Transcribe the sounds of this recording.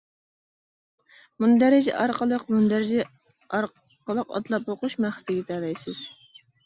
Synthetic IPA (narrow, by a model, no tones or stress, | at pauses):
mund̪æɾɪd͡ʒɛ̰ʔɑɾqəlˠəqmund̪æɾɪd͡ʒɛ | ɑɾ | qəlˠəqɑ̰t̪lˠɑpoquʃmæχsɪt̪ɪɡʲɛt̪ʰæːvɛjsɪz̥